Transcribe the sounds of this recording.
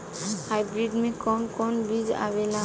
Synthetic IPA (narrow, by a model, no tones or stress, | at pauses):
hajbɾiɖmikɔnkɔnbid͡ʒa̰βela